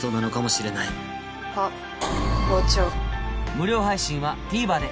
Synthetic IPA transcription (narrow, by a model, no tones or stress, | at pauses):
t̪onanokamo̞ɕiɾe̞nai | ha | ɡot͡ɕomɯ̟ɾʲo̞ːɦaiɕĩɰ̃βapʲiːbaːd̪e̞